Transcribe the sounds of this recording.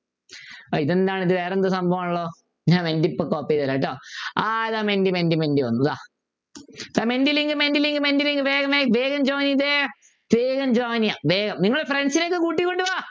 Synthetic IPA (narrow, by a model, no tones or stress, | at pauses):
oːiðend̪aːɳiðɨʋeːɾɐnd̪ɐsɐmbʱɐʋaːɳɭːoː | ɲaːnmendipːokːoːpːit̪ɐɾaːʋiʈːoːaːiðaːmendimendimendiʋɐnːɐðaː | ðaːmendiliŋɡɨmendiliŋɡɨmendiliŋɡɨʋeːɡɐmeʋeːɡɐmd͡ʑoːniðe | t̪ɾiːɣɐmd͡ʑoːnijɐʋeːɡɐmniŋːɐɭɽefrensinokːekuːʈ̬ːikːo̞ɳɖuʋaː